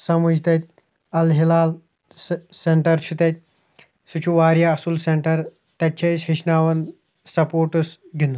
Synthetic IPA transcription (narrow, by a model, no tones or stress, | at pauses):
sɐmud͡ʑt̪et̪̚ʲ | ɐlɦilaːl | seɳʈɐɾt͡ʃʰut̪et̪̚ | sut͡ʃʰuʋaɾjaɐsuːlseɳʈɐɾ | t̪at͡ɕʰeshiɕnaʋɐn | sɐpoːɾʈusɡʱinu